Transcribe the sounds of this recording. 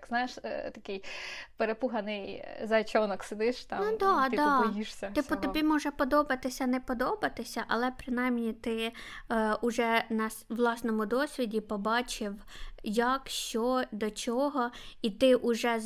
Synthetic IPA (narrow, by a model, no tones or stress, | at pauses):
kznajeʃt̪ɐkɪjpeɾepuɦɐnɪjzɐt͡ʃʲɔnɔksed̪ɪʃt̪ɑnʊd̪ɑd̪ɑɔjiʃsʲɐɪɔt̪ɔbʲimɔʒɛpɔd̪ɔbɐt̪ɪsʲɐnɛpɔd̪ɔbɐt̪ɪsʲɐʔɐlˠɛpɾɪnɑjmnʲit̪ɪ | ʊʒɛnɐsʋlˠɑsnɔmʊd̪ɔsʲʋʲidʲipɔbɑt͡ʃɪw | jɐkʃt͡ʃɔd̪ɔt͡ʃɔɦɔit̪ɪʔʊʒɛ